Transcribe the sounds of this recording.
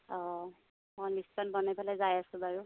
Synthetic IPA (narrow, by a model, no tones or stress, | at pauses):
ɔ | mɔjmistanbɔnajpalɛzajasʊ̃baɹu